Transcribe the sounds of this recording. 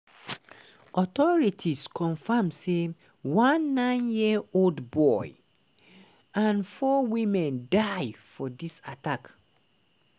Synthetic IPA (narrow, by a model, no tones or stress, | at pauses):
ɔtɔɹitʰiskʰɔ̃ɱfamse | wãnːãɪ̃njioldbɔɪ | ãnfɔwĩmɛ̃ndaɪfɔdisatak